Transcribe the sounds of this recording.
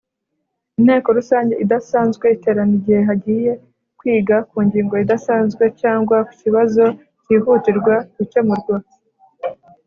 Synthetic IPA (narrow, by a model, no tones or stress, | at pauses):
in̥he̞ːko̞ɾusaːɲɟe̞ʔidasaːnzɡwe̞ite̞ɾaniɟihe̞ɦaɟiːje̞ | kwiːɡakuːɲɟiːŋɡo̞idasaːnzɡwe̞caːŋɡwaku̥ciβazo̞ | ciːɦutiɾɡwaɾit͡ʃemuɾɡoː